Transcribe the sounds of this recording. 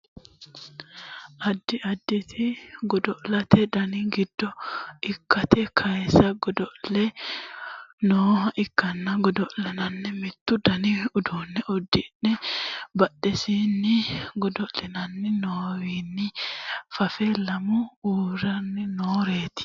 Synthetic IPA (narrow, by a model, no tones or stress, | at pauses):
ʔɐd̪ːɪɐd̪ːɪt̪ʰɪɡɔd̪ɔʔlɐt̪ʰɛd̪ɐnɪɡɪd̪̥ːɔɪkːɐt̪ɛkʰɐjsɐɡɔd̪ɔʔlɛ | noːhɐʔɪkːɐnːɐɡɔd̪ɔʔlɛnɐnːɛmɪt̪ːʊd̪ɐnɪʊd̪unːɛʔɔd̪ːɪnːɛbɐɗːɛsiːnːɪɡɔd̪ɔʔlɛnɐnːɪnoːwiːnːɪfɐfɛlɐmʊuːɾɐnːɪnoːɾeːt̪ɪ̥